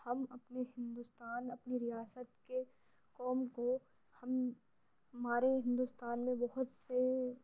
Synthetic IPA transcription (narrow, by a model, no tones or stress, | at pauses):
hɐmɐpneɦɪ̃nd̪ust̪aːnɐpniɾɪjaːsət̪ke | kɔːmko | hɐm | ɦɐmaːɾeɦɪ̃nd̪ust̪aːnmẽbɐɦʊt̪se